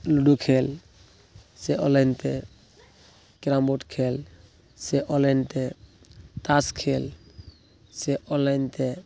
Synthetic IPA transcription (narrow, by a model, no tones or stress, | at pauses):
luɖukʰel | sɛʔɔlajnt̪ɛ | kɾambɔʈkʰel | sɛʔɔlajntɛ | t̪askʰel | sɛʔɔlajnt̪ɛ